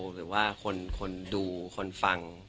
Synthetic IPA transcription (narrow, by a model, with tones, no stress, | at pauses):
ɾɯː˩˦waː˥˩kʰo˧nkʰo˧nduː˧kʰo˧nfa˧ŋ